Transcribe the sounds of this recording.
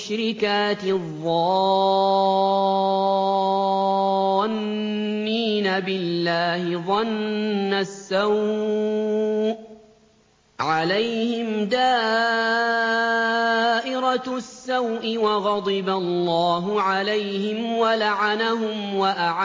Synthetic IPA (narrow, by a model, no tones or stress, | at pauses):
ʃɾɪkaːt̪ɪðˤːɑ | nː | iːnabɪlːaːhɪðˤɑnːasːaw | ʕalajhɪmd̪aː | ʔɪɾasːawʔɪwɑɣɑd̪ˤɨbalːɑːɦʊʕalajhɪmwalaʕanaɦʊmwaʔaʕa